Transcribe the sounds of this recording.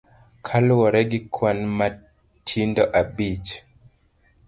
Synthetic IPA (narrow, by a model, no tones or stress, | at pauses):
kʰalwɔɾɛɡikʰwanma | tʰindɔʔabid͡ʒ